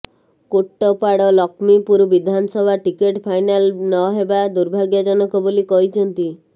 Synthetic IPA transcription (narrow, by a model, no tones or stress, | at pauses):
koʈːɔpaɽɔlɔkmipuɾubid̪ʱanɔsɔbʱaʈikeʈpʰajnalnɔɦebad̪uɾbʱaɡjɔd͡ʒɔnɔkɔbolikɔɦit͡ʃʰɔnt̪i